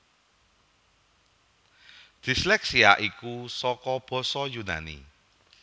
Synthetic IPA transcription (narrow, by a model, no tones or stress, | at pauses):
d̪̥islɛksiaʔikusɔkɔb̥ɔ̤sɔjuna̰nḭ